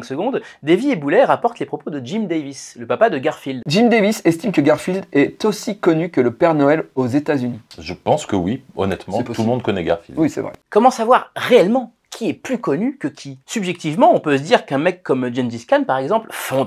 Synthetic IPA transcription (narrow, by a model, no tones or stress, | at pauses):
ɛ̃ksəɡɔ̃d̪d̪eviebulɛʁapɔʁt̪lepχɔpod̪əd͡ʒimd̪evisləpapad̪əɡʲaʁfild̪d͡ʒimd̪evisɛst̪imkəɡaʁfild̪ɛt̪osikɔnykələpɛʁnɔɛlozet̪azyniʒəpɑ̃skəwiɔ̰nɛt̪mɑ̃t̪ulmɔ̃d̪̚kɔnɛɡa̰ʁfḭld̪wisɛ̰vʁɛ̰kɔmɑ̃savwaʁʁeɛlmɑ̃ | kʲʰiɛplykɔnykəkʲʰisybʒɛk̚t̪ivmɑ̃ɔ̃pøs̬əd̪iʁkɛ̃mɛkʰːɔmd͡ʒɛnd̪iskanpaʁɛɡzɑ̃plfɔ̃d̪